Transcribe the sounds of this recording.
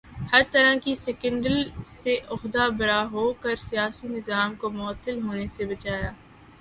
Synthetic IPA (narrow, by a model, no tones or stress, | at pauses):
hɐɾt̪ɐɾə̃kisɛkə̃ɳɖəlseʔʊxd̪abɐɾaɦoːkɐɾsijaːsinɪzaːmkomʊət̪ːəlɦoːnesebɐt͡ʃaːjaː